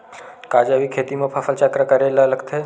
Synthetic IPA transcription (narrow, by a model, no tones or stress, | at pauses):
kad͡ʒaʋikʰet̪imə̃pʰafəlt͡ʃakɾəkəɾelaləkt̪ʰe